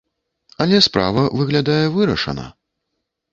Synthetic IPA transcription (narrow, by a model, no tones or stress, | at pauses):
ɐlʲɛspɾa̰vɐvɨɣlʲad̪ajɛvɨɾɐʂɐ̰nɐ̰